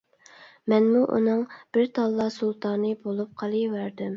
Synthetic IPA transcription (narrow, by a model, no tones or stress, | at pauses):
mɛnmuʔṵnɨŋb̥ɪɾt̪ʰɑlˠːɑsulˠt̪ʰɑnːɨbolˠup̚qʰɑlˠɨwæɾd̪ym